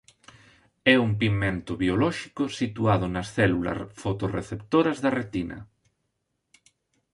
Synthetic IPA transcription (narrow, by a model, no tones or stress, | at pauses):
ɛumpimẽnt̪ʊβiolɔʃikʊsit̪uað̞ʊnɐsθɛlulɐ̰fot̪orḛθept̪oɾɐzðɐret̪inɐ̰